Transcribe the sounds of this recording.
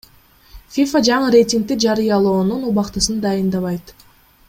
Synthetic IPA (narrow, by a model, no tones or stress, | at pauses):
fʲifad͡ʒɑɴɯɾʲe̞jtʲiŋk̚t̪id͡ʒɑɾɯjɑlˠo̞ːnunuβɑqt̪ɯsɯnd̪ɑjɯnd̪ɑβɑjt̪